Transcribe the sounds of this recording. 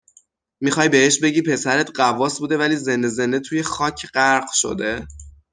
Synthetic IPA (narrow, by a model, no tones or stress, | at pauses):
mixɒːjbe̞heʃbe̞ɟiːpʰe̞sæɾet̪ɢævɒːsbuːd̪e̞væliːze̞nd̪e̞ze̞nd̪e̞t̪ʰuːje̞xɒːcʰɢæɾɢʃo̞̰d̪e̞